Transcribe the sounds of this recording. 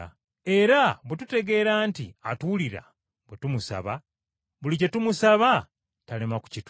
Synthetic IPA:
e̞ɾaβwetute̞ɡe̞ːɾaːntiatuliɾa̰ | βwetumusa̰βa | βulice̞tumusaβa | talemaku̥cit

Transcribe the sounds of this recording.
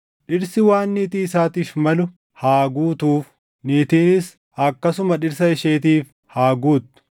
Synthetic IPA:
ᶑɪɾsɪwaːnːiːt̪iːɪsaːt̪iːfmɐlʊ | haːɡuːt̪uːf | niːt̪iːnɪs | ɐkːɐsʊmɐᶑɪɾs̬ɐɪʃeːt̪iːf | haːɡuːt̪ːʊ̥

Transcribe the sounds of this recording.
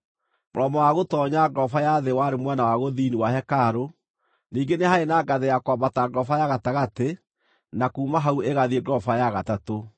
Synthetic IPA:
mo̰ɾɔmɔwaɣotɔːɲaɡɾɔfajaðewaɾemwɛnawaɣoðiːniwahɛkaɾo | niːŋɡenehaenaɡaðejakwabataɡɾɔfajaɣataɣate | nakuːmaɦauʔeɣaðieɡɾɔfajaɣatato

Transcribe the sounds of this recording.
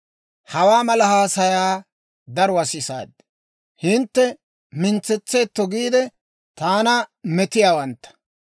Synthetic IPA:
hɐwaːmɐlɐhaːsɐjaː | d̪ɐɾwɐsɪsa̰ːd̪ːɛ̥ | hɪnt̪ːɛ | mɪnt͡sːɛt͡sːe̞ːt̪ːɔɡiːd̪ɛ | t̪aːnɐmɛt̪ɪjaːwɐnt̪ːɐ̥

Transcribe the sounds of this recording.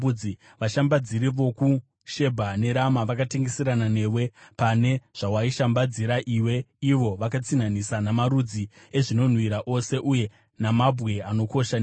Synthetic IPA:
ud͡zi | ʋaʃambad͡ziɾiʋo̞ku | ʃe̞bʱane̞ɾamaʋakate̞ŋɡe̞siɾanane̞ːwe̞pane̞ʐ̥awaiʃambad͡ziɾaʔiwe̞iʋo̞ʋakat͡sinanisanamaɾud͡zi | eʐino̞n̤wiɾaʔo̞se̞ʔuje̞ | namabʱɣe̞ano̞ko̞ʃa

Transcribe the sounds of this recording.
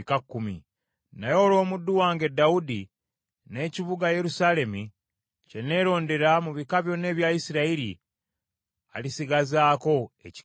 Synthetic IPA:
kakːumḭ | najo̞ːlo̞ːmudːuwaːŋɡe̞daudi | ne̞ːciβuɡaje̞ɾusale̞mu | ce̞ne̞ɾo̞ːnde̞ɾamuβikaβjo̞ne̞ːβjaisiɾaiɾḭ | a̰lisiɡazaːko̞ḛci̥

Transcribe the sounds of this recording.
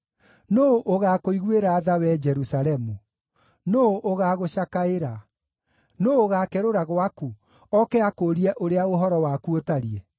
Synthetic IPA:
noʔoɣakoiɣweɾaːðawɛd͡ʒɛɾusaɾɛmu | noʔoɣaːɣoɕakaeɾa | noːoɣakɛɾoɾaɣwaku | ɔkɛakoɾiɛʔoɾeaoɦɔɾɔwakuotaɾiɛ

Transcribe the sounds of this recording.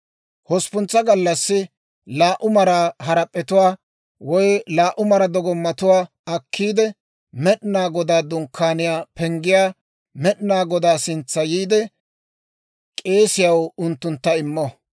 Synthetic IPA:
hɔspʊnt͡sːɐɡɐlːɐsːɪ | laːʔʊmɐɾaːɦɐɾɐpʼːɛt̪ʊwaː | wɔjlaːʔʊmɐɾɐd̪ɔɡɔmːɐt̪ʊwaː | ɐkʰːiːd̪ɛ | mɛɗɪnaːɡɔd̪aːd̪ʊŋkʰːaːnɪjaːpɛŋɡɪjaː | mɛɗɪnaːɡɔd̪aːsɪnt͡sːɐjiːd̪ɛ | kʼe̞ːsɪjɐwʊnt̪ːʊnt̪ːɐɪmːɔ

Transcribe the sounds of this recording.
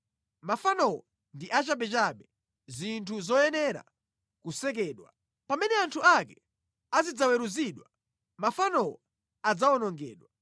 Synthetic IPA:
mafanɔwɔ | ndiʔat͡ʃaɓɛt͡ʃaɓɛ | zintʰuzɔjɛnɛɾa̰ | kusɛk̬ɛːɗwa | pamɛnɛantʰuakɛ | azid͡zawɛɾuziɗwa | mafanɔwɔ | ad͡zaɔnɔŋɡɛːɗwa

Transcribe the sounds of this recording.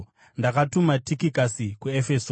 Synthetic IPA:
ndakatumatikikasikuefeso

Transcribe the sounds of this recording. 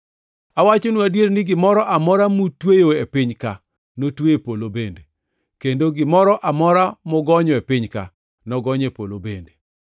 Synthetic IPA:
awat͡ʃonuadjeɾnɪɡɪmɔɾɔʔamɔɾamutwejoepɪɲka | notweepolobende | kendoɡɪmɔɾɔʔamɔɾamɔɡɔɲɔepɪɲka̰ | nɔɡɔɲepolobende

